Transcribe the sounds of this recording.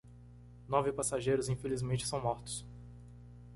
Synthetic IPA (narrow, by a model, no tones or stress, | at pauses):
nɔvɪpasaʒejɾʊzĩfelizmẽnt͡ʃɪ̥sɐ̃w̃mɔɾt̪ʊ̥s